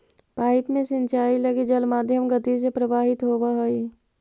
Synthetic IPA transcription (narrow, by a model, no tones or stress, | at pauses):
paːɪpmẽsɪ̃nt͡ʃaːilɐɡid͡ʒɐlmaːd̪ʱjəmɡət̪isepɾəʋaːɦɪt̪ɦoːbaɦoi